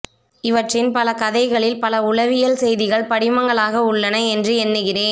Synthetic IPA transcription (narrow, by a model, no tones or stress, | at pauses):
ɪʋɐʈrɪnpɐlɐkɐðɐɪɣɐɭɪlpɐlɐʊɻɐʋɪjɐlsɛjðɪɣɐɭpɐɽɪmɐŋɡɐɭaːɣɐʊɭːɐnɐɛndrɯɛnːɯɣɪreːn